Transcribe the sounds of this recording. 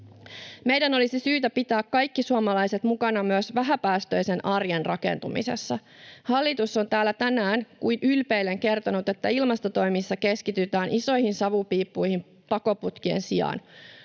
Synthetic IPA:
mejdæno̞lisisyːt̪æpit̪æːkkɑjkːisuomɑlɑjse̞t̪mukɑnɑmyøsʋæɦæpæːst̪ø̞jse̞nʔɑrjenrɑke̞̰nt̪umḭse̞̰sːɑhɑlːit̪usːo̞nt̪æːlːæt̪ænæːnkuinylpeilːeŋke̞rt̪onut̪e̞t̪ːæilmɑst̪o̞t̪o̞jmisːɑke̞skit̪yt̪æːnʔiso̞jhinsɑʋupiːpːujhim | pɑko̞put̪kiḛnsiɑ̰ːn

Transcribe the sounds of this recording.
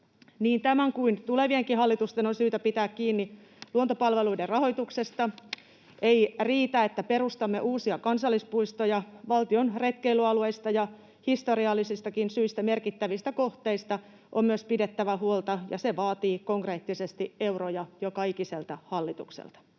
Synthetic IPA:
niːnt̪æmæŋkuint̪uleʋieŋkihɑlːit̪ust̪enonsyːt̪æpit̪æːkkiːnːi | luont̪opɑlʋeluiderɑho̞jt̪uksest̪ɑ | ʔeiriːt̪æet̪ːæpeɾust̪ɑmːḛʔuːsiɑkɑnsɑlːispuist̪ojɑʋɑlt̪ionret̪keilyɑlueist̪ɑjɑ | hist̪oɾiɑlːisist̪ɑkinsyist̪æmerkit̪ːæʋist̪ækoht̪eist̪ɑ | ʔommyøspidet̪ːæʋæhuolt̪ɑjɑ̰seʋɑːt̪iːkoŋkreːt̪ːisest̪ieurojɑjokɑikiselt̪ɑhɑlːit̪uksḛlt̪ɑ̥

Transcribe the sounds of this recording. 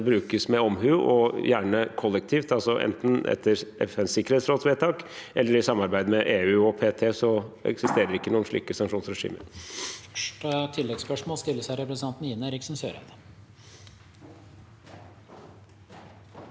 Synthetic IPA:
bɾʉːkəsmɛɔmɦʉːʔɔjæːɳəkʰɔlːɛkt̪ʰiːft̪ɑlsɔʔɛ̰nt̪n̩ʔɛ̰t̪ʰːəɾʔɛ̰fɛnsɪkːəɾhet̪sɾoːt̪sʋeːt̪ʰɑːkʔɛlːəɾɪsɑmːɑɾbæɪd̪mɛʔeːʉːɔpʰeːt̪ʰeːsɔɛ̰ksɪst̪eːɾəɾɪkːənuːnʂɭḭːkəsɑŋkʂuːnsɾɛʂḭːmə̰ɾ | ʈət̪ʰɪlːɛɡspœʂmoːlst̪ɪlːəsæɪɾɛpɾəsəɑnt̪n̩ɪnːəɾɪksn̩søːɾæ̰ɪd̪ə

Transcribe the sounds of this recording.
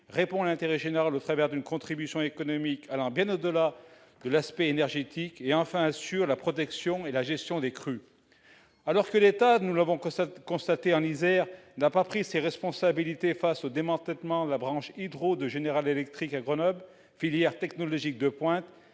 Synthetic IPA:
ʁepɔ̃lɛ̃t̪eʁɛʒeneʁalot̪χavɛʁd̪ynkɔ̃t̪χibysjɔ̃ekɔnɔmikʰalɑ̃bjɛ̃nod̪əla | d̪əlaspɛenɛʁʒet̪ikeɑ̃fɛ̃asyʁlapχɔt̪ɛksjɔ̃elaʒɛst̪jɔ̃d̪ekχy | alɔʁkəlet̪anulavɔ̃kɔ̃st̪at̪eɑ̃nizɛʁnapapχiseʁɛspɔ̃sabilit̪efasod̪emɑ̃t̪ɛlmɑ̃d̪əlabʁɑ̃ʃid̪ʁod̪əʒeneʁalelɛk̚t̪χikaɡʁənɔbl | filjɛʁt̪ɛknɔlɔʒik̚d̪əpwɛ̃t̪

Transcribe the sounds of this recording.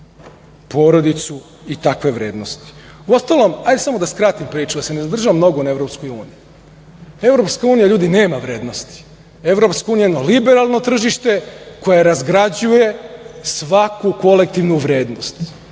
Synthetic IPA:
po̞ɾo̞d̪it̪su | it̪akʋe̞ʋɾe̞ːd̪no̞st̪i̥uost̪alo̞majd̪esamo̞d̪askɾat̪impɾiːt͡ʃud̪asenezad̪r̩ʒaʋamno̞ɡonae̞ʋɾo̞pskojuːniju | e̞vɾo̞pskauːnijaʎuːd̪ine̞ːmaʋɾe̞ːd̪no̞st̪i̥ | e̞ʋɾo̞pskauːnijeenolibe̞ɾalˠno̞t̪r̩ʒiʃt̪e̞ko̞jaɾazɡɾad͡ʑuje̞sʋakuko̞le̞k̚t̪iʋnuʋɾe̞ːd̪nost̪

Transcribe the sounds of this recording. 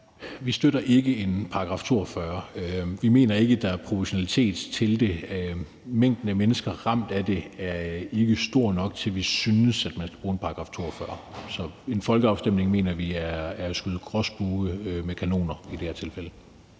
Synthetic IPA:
ʋisd̥øɾɐʔe̝ɡ̥əe̝npʰɑ̈ɡ̥ʁɑ̈ft͡sʰo̝ɐ̰fɶɐʋime̝̰ːnɐe̝ɡ̥əd̥ɑ̈æɐpʰʁo̝feɕo̝nælit͡sʰe̝̰ːd̥t͡sʰe̝ld̥e̝ | meŋ̰d̥n̩əmenəsɡ̥ɐʁɑ̈m̰d̥æd̥e̝æɐe̝ɡ̥əsd̥o̝ɐ̰nɒ̽ɡ̥̚t͡sʰe̝lʋisynəsæd̥mænsɡ̥æb̥ʁuːe̝npʰɑ̈ɡ̥ʁɑ̈ft͡sʰo̝̰ɐ̰fɶɐ̰sɒ̽e̝nfɒ̽lɡ̥əɑ̈ʊsd̥em̰ne̝ŋme̝̰ːnɐʋiææɐsɡ̥yð̩ˠɡ̥ʁɒsb̥uːəmekʰæno̝̰ːnɐid̥e̝hæɐt͡sʰe̝lfelə

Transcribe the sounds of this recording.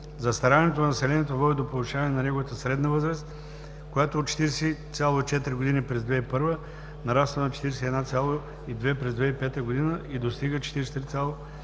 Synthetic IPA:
zɐst̪ɐɾaniɛt̪onɐnɐsɛlɛniɛt̪ovɔd̪id̪opolˠʊʃavɐnɛnɐnɛɡovət̪əsɾɛd̪nəvɤzɾəst̪ | kojat̪oot̪t͡ʃɛ̥t̪iɾsit̪sʲjalˠoit͡ʃɛt̪ɾiɡod̪inipɾɛzd̪vɛipɤɾvə | nɐɾast̪vənɐt͡ʃɛ̥t̪iɾɛsɛiɛd̪nat̪sʲalˠo | id̪vɛpɾɛzd̪vɛipɛt̪əɡod̪inəid̪ost̪iɡət͡ʃɛ̥t̪iɾɛsʲt̪ɾit̪sʲalˠo

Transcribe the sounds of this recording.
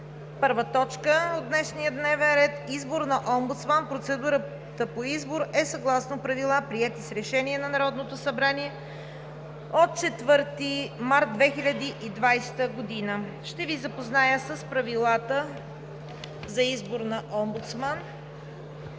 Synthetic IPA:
pɤɾvət̪ɔt͡ʃkəot̪d̪nɛʃnijəd̪nɛvɛnɾɛt̪izboɾnɐʔɔmbut̪smanpɾot̪sɛd̪uɾə | t̪əpoizboɾɛsɐɡlˠasnopɾɐvilˠapɾiɛt̪isɾɛʃɛniɛnɐnɐɾɔd̪not̪osɐbɾaniɛ | ot̪̚t͡ʃɛt̪vɤɾt̪imaɾt̪̚d̪vɛxilʲəd̪iʔid̪vajst̪əɡod̪inə | ʃt̪ɛvizɐpoznajəsəspɾɐvilˠat̪ə | zɐizboɾnɐʔɔmbut̪sman

